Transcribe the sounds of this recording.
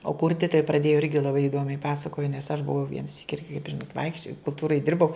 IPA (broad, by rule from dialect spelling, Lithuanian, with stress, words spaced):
oː ˈkʊrʲtʲɪ tɐɪ prɐˈdʲeːjoː ˈɪrʲɡʲɪ lˠɐˈbɐɪ ɪˈdoːmʲɛɪ ˈpɑːsɐkoːjoː nʲɛs ɐʃ bʊˈʋɐʊ ʋʲiɛnɐ ˈsʲiːkʲɪ ˈɪrʲɡʲɪ kɐɪp ˈʒʲɪnoːt ˈʋɐɪkʃʲt͡ʃʲoːjɛʊ kʊlˠˈtuːrɐɪ ˈdʲɪrbɐʊ